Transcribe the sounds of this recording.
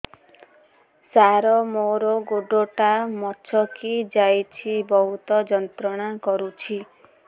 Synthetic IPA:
saɾɔmoɾɔɡoɖoʈamɔt͡ʃʰɔkid͡ʒajt͡ʃʰibɔɦut̪ɔd͡ʒɔnt̪ɾɔɽ̃akɔɾut͡ʃʰi

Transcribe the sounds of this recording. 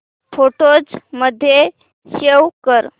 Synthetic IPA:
foʈod͡zməd̪ʱːje | ɕewkəɾ

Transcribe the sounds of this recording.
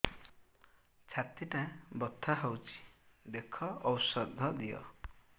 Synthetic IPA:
t͡ʃʰat̪iʈãbɔt̪ʰːaɦɔwt͡ʃʰi̥d̪ekʰɔɔwsɔd̪ʱːɔd̪ijɔ̰

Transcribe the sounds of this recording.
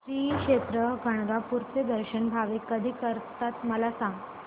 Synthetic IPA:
ɾiːkʂet̪ɾəɡʱəɳ̃ɡapuɾt͡sed̪əɾɕənbʱaʋikəd̪ʱiːkəɾt̪at̪məlasãŋɡ

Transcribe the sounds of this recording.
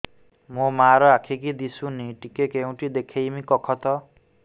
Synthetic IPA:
momaɾʌakʰekid̪isʰuniʈikekew̃ʈid̪ekʰejmikɔkʰɔt̪ʌ

